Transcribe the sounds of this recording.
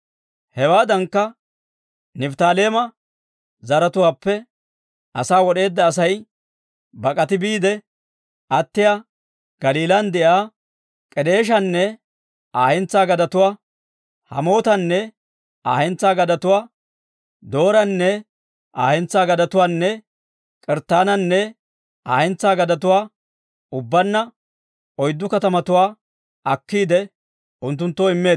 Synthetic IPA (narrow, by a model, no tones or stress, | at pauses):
hɛwaːd̪ɐŋkːɐ | nɪft̪aːleːmɐ | zɐɾɐt̪ʊwaːpːɛ | ʔɐsaːwɔɗe̞ːd̪ːɐːs̬ɐj | bɐkʼɐt̪ɪbiːd̪ɛ | ʔɐt̪ːɪjaː | ɡ̥ɐliːlɐnd̪ɛʔaː | kʼɛd̪e̞ːʃ̬ɐnːɛ | aːɛnt͡sːaːɡɐd̪ɐt̪ʊwaː | hɐ̰mo̞ːt̪ɐnːɛ | ʔaːhɛnt͡sːaːɡɐd̪ɐt̪ʊwaː | d̪o̞ːɾɐnːɛ | ʔaːhɛnt͡sːaːɡɐd̪ɐt̪ʊwaːnːɛ | kʼɛɾt̪ːaːnɐnːɛ | aːɛnt͡sːaːɡɐd̪ɐt̪ʊwaː | ʊbːɐnːɐ | ʔɔjd̪ːʊkɐt̪ɐmɐt̪ʊwaː | ʔɐkːiːd̪ɛ | ʔʊnt̪̬ːʊnt̪ːoɪmːeː